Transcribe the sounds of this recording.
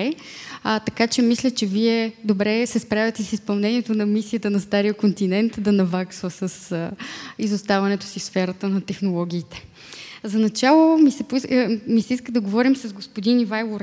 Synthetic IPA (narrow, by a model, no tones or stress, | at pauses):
ɛ | t̪ɐkat͡ʃɛmislʲət͡ʃɛviɛd̪obɾɛsɛspɾavʲət̪ɛsispɐlˠnɛniɛt̪onɐmisiət̪ənɐst̪aɾijəkont̪inɛnt̪d̪ɐnɐvaksvəsəs | izost̪avɐnɛt̪ʊ̥sifsfɛɾət̪ənɐt̪ɛxnolˠɔɡ̟ʲiːt̪ɛ̥ | zɐnɐt͡ʃalˠomisɛpʊimisɛiskəd̪ɐɡovɔɾimsɐzɡospod̪inivajlˠoɾ